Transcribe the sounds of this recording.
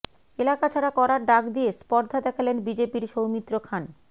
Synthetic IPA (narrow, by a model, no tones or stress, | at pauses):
elakat͡ɕʰaɾakɔɾaɾɖakd̪ijespɔɾd̪ʱad̪ɛkʰalenbid͡ʑepiɾʃowmit̪ːɾokʰan